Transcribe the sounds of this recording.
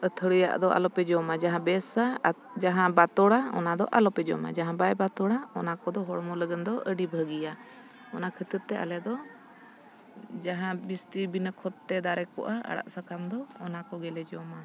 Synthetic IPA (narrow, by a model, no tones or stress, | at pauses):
ət̪ʰəɽəja̰ʔd̪ɔʔa̰lɔpɛd͡ʒɔmad͡ʒaɦãbɛsad͡ʒaɦãbat̪ɔɽaɔ̰nad̪ɔ̰ʔalɔpɛd͡ʒɔ̰ma̰d͡ʒaɦãbajbat̪ɔɽaɔnakɔd̪ɔɦɔɽmɔləɡənd̪ɔʔəɖibʱəɡija | ɔnakʰət̪əɾ̚t̪ɛʔa̰lɛd̪ɔ | d͡ʒaɦãbist̪ibinəkʰɔt̪t̪ɛd̪aɾɛkɔ̰ʔaa̰ɽa̰ʔsəkʰamd̪ɔɔnakɔɡɛlɛd͡ʒɔma